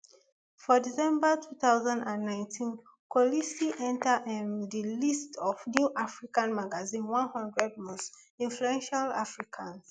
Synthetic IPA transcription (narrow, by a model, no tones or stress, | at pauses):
fɔdisɛ̃mbatʰuθaʊzãndãnːãɪ̃ntʰĩn | kʰɔlisiʔɛ̃ntaʔĩndilistʰɔvnjuʔafɹikãnmaɡazĩnwãnhɔ̃ndɹɛd̚mɔsĩnfluɛ̃nʃala̰fɹikʰãns